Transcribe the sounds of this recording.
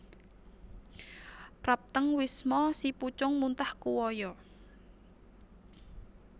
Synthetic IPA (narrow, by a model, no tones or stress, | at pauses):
pɾap̚t̪əŋwismɔsiput͡ʃʊŋmunt̪ahkuwɔjɔ